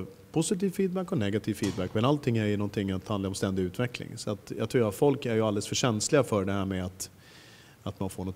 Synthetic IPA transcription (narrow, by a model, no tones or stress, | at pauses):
pʰʊsɪt̪iːvfiːd̪̚bækːɔnɛɡat̪ʰiːvfiːd̪̚bækːmɛnalt̪ʰɪŋːæɾjɵnɔnt̪ʰɪŋːat̪hand̪laɾɔmst̪ɛnd̪ɪʉ̟ːt̪vɛklɪ̰ŋsɔat̪jɑːɡt̪ʰɾuːɾat̪fɔlkæɾjɵald̪ɛlsfœʂɛnslɪɡafœɖɛhæːɾmɛat̪ | at̪manfoːɳɔt̪